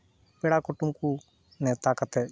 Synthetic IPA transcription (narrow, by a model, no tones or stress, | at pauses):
peɽakʊʈumku | net̪akət̪e